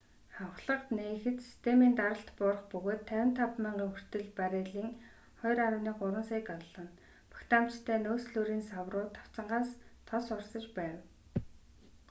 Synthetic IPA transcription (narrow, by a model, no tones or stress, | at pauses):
χawχɮə̆qt̪neːxɘ̆t̪si̥st̪ʰemiːnt̪aɾə̆ɬt̪pʊrə̆χpɵɣoːt̪ʰːæwʲɪ̆nt̪ʰapmiːɴɢeːŋxɵ̆r̥t̪ɘ̆ɮpaɾeːɮiːŋ | χɔjɾaɾə̆wniːɢʊɾə̆nsaːkaɮə̆n | pʰḁkt̪ʰaːmt͡ɕt̪ʰæːnoːsɮuːɾiːnsawrʊːt̪ʰḁw̥t͡sə̆ɴɢaːst̪ʰɔsʊrsə̆t͡ɕpæːw